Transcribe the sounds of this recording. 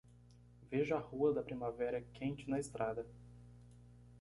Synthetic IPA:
veʒʊahuɐd̪ɐpɾimavɛɾɐkʰẽt͡ʃɪnɐɪst̪ɾʔad̪ɐ

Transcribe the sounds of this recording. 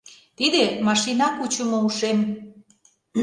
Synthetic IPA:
t̪id̪emɑʃinɑkut͡ɕəmŏuʃem

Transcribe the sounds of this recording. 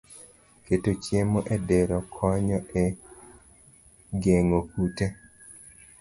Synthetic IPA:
ketot͡ʃjemɔʔɛdɛɾɔkʰɔɲɔʔe | ɡeŋokute

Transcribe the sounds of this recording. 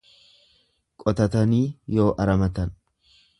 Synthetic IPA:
kʼɔt̪ɐt̪ɐniːjo̞ːʔɐɾɐmɐt̪ɐn

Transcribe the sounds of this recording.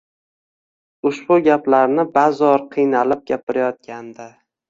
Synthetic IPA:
ʊʃbʊɡʲaplaɾnɪbazɒɾqʰɨjnalɪp̚ɡʲapɪɾajɒt̪̚kʲand̪a

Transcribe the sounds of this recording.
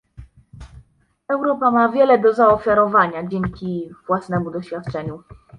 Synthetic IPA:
ɛwɾɔpamavʲjɛlɛd̪ɔzaɔfʲjaɾɔvaɲad͡ʑɛŋkʲivwasnɛmud̪ɔɕfʲjat̪̚t͡ʂɛɲu

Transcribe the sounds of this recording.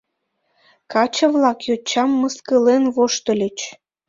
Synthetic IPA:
kɑt͡ɕə̆βlɑkjot͡ɕːɑmːəskəlenβoʃt̪ə̆lʲet͡ɕ

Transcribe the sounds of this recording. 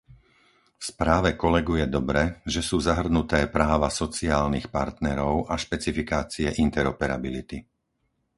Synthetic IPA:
fspɾaːʋɛkɔlɛɡujɛd̪ɔbɾɛʒɛsuːzaɦr̩nut̪ɛːpɾaːʋasɔt͡siaːlnixpaɾt̪nɛɾɔʊʔaʃpɛt͡sifikaːt͡siɛʔint̪ɛɾɔpɛɾa̰bilit̪i

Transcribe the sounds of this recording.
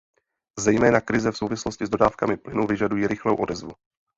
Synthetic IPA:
zɛjmɛːnakɾɪzɛfsowvɪsloscɪzdo̞daːfkamɪplɪnuvɪʒadujiːɾɪxlowʔo̞dɛzvṵ

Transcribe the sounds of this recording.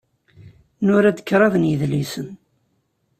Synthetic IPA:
nʊɾæd̪ə̥kːɾˤɑðənjəðlisən

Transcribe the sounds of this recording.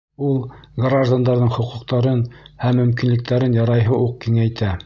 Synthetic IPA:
ulˠɡraʒd̪and̪ɑɾðɤɴχŏqŭqt̪ɑɾɤnhæmːɵ̆mkinlɘ̆k̚t̪æɾɘnjɑɾɑjɦɤʔuq̚kiŋæjt̪æ

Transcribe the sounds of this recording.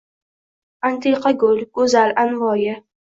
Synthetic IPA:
ant̪ʰiqʰaɡʊlɡ̥ɵzalʔanvɒːjɪ

